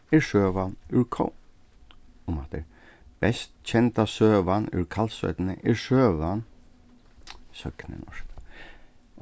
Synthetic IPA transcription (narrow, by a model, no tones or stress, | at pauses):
ɪɹsøːʋanʉɹkʰɔ̰ | ʊmaːt̪ə̰ɾ | b̥ɛst̪t͡ʃʰɛnt̪asøːʋanʉ̰ɹkʰalsœ̰t̪nəʔɪɹʂøːʋan | sœknə̰nɔ̰ʂk